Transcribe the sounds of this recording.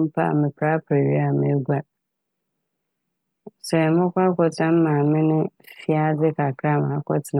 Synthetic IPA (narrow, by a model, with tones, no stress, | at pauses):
m̩˦pʰa̰˦˨mɪ̃˨pʰɾa˦pʰa˨ɥi˦a˨mɪ̃˦ɡʷa˨ | sɛ˨mʊ̃˦kʷa˦kɔ˨tʰã˦m̩˦mã˨mɪ̃˦nɪ̃˦fi˦a˦dɪ˦kʰa˨kʰɾa˦˨mã˨a˨˦kʰɔ˦tʰɪ˨n